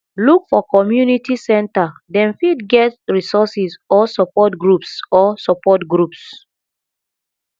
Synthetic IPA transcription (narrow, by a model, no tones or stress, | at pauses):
lukfɔkɔmjunitisɛ̃ntadɛ̃nfidɡɛtɹisɔsisɔsɔpɔtɡɹupsɔsɔpɔtɡɹups